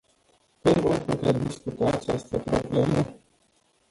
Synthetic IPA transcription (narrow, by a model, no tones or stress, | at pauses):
pinɡonput̪ed̪iskut̪aːt͡ʃa̰st̪əpɾo̰blemə